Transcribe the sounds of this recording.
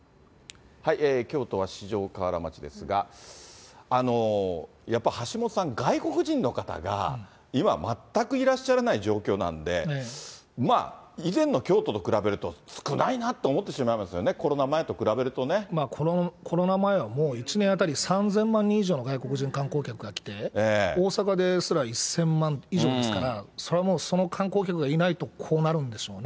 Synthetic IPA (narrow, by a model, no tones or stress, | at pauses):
haiʔeːkʲo̞ːt̪o̞β̞aɕiʑo̞ːkaβaɾa̰ma̰t͡ɕid̪e̞̰sɨɡa̰ | no̞ | japːaihaɕimo̞t̪osãŋɡaiko̞kɯ̟ʑĩnːo̞kat̪a̰ɡa̰ | ima̰mat̪ːakɯ̟iɾaɕːaɾenaiʑo̞ːkʲo̞ːnã̰nd̪e̞ | ma̰ːizẽ̞nːo̞kʲo̞ːt̪o̞t̪o̞kɯ̟ɾabe̞ɾɯ̟t̪o̞sɨ̥kɯ̟nʔainat̪ːe̞omo̞t̪ːe̞ɕimaimasɨjo̞neko̞ɾo̞namae̞t̪o̞kɯ̟ɾabe̞ɾɯ̟t̪o̞ne̞maːkʰo̞ɾokʰo̞ɾo̞namae̞βamoːit͡ɕinẽjat̪̬aɾʲisãnzẽ̞mːãɲ̟ːĩːʑo̞ːno̞ɡaiko̞kɯ̟ʑĩŋkãŋko̞ːkʲakɯ̟ɡakʲi̥t̪e̞eːo̞ːsakad̪e̞sɨɾaisːẽ̞mːãniʑo̞ːd̪e̞sɨ̥kaɾasoɾe̞βamo̞ːso̞no̞kʰãŋko̞ːkʲakɯ̟ɡainait̪o̞kʰo̞ːnaɾɯ̟̃nd̪e̞ɕo̞ːne